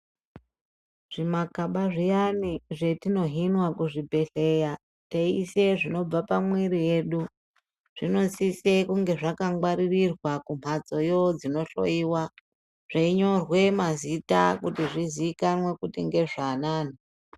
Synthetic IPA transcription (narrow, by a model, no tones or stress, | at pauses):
ʐ̥imakaɓaʐijaniʐe̞tino̞ɦinwakuʐibʱe̞ɬe̞ja | teise̞ʐino̞b͡vapamwiɾije̞ɗu | ʐ̥ino̞sise̞kuŋɡe̞ʐakaŋɡwaɾirirwakum̤ad͡zo̞jo̞d͡zino̞ɬo̞̰iwa | ʐ̥aiɲo̞rwe̞mazita̰kutiʐiziːkanwe̞kutiŋɡe̞ʐanaːn̤o